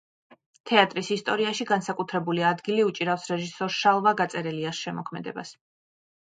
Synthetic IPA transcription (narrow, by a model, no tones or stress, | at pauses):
t̪ʰɛat̪ʼɾisist̪ʼɔɾiaʃiɡansakʼut̪ʰɾɛbuliad̪ɡiliut͡ʃʼiɾafsɾɛʒisɔɾʃalˠvaɡat̪sʼɛɾɛliasʃɛmɔkʰmɛd̪ɛ̰ba̰s